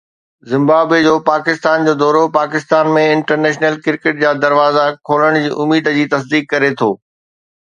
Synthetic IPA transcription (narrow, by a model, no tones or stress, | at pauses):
zɪ̃mbaːbed͡ʑoːpaːkɪst̪aːnd͡ʑoːd̪ɔːɾopaːkɪst̪aːnmẽɪ̃ɳʈəɾneːʃnəlkɪɾkeʈ̚d͡ʑaːd̪ɐɾʋaːzakʰoːləɽ̃d͡ʑiːʔʊmiːd̪d͡ʑiːt̪ɐs̬d̪iːkːɐɾet̪ʰoː